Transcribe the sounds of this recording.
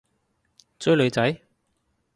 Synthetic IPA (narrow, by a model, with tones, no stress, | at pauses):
t͡sɵ˨˥lɵ˨˧ɥt͡sɐ˨˥j